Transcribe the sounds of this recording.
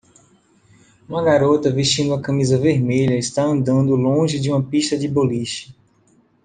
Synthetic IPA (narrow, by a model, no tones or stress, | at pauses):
ũmɐɡaɾot̪ɐviʃt͡ʃĩnd̪ʊɐkɐ̃mizɐveɾmeʎɐɪst̪aɐ̃nd̪ɐ̃nd̪ʊlõʒɪd͡ʒɪũmɐpiʃt̪ɐd͡ʒɪboliʃɐ